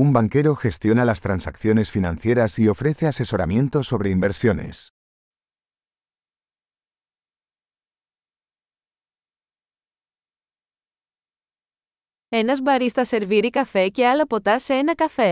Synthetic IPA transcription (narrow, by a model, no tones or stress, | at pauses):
umbaŋke̞ɾoxe̞st̪jo̞nalast̪ɾansakθjo̞ne̞sfinãnθje̞ɾasio̞fɾeθease̞so̞ɾa̰mje̞nt̪o̞so̞βɾe̞imbe̞ɾsjo̞ne̞̰s | enɐzbɐɾist̪ɐse̞ɾviɾikɐfe̞cealɐpo̞t̪ɐseenɐkɐfe